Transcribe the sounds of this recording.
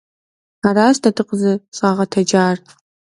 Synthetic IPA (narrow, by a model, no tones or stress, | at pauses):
aɾaːsdɐdɨqəzɐɕʼaːʁɐtʰɐd͡ʒaːr